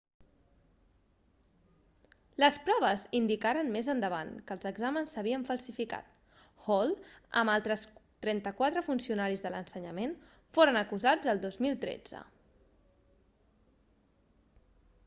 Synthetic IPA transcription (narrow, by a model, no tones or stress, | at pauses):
ləspɾɔβ̞əzind̪ikaɾənmezənd̪əβ̞a̰nkəlˠzəɡzamənsːəβ̞iəɱfəlˠsifika̰t̪ | hɔlˠə̰malˠt̪ɾəst̪ɾɛnt̪əkwat̪ɾəfunsiunaɾizðələnsəɲəmen | foɾənəkuzad͡zəlˠd̪ozmilˠt̪ɾḛd͡zə̰